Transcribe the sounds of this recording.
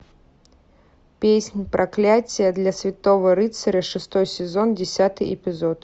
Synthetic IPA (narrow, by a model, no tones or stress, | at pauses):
pʲesʲnʲipɾʔaklʲat͡sʲijɐd̪lʲɐsʲvʲit̪ɔvɐɾɨt̪sɐɾʲɐʂɨst̪ɔjsʲɛzɔnd͡zʲɛsʲat̪ɨjɛpʲizɔt̪